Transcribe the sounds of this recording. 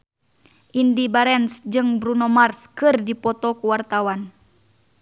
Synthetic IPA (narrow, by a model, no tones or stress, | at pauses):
ʔindibaɾɛnsd͡ʒɨŋbɾunɔmarskɨrdipɔt̪ɔkuwart̪awan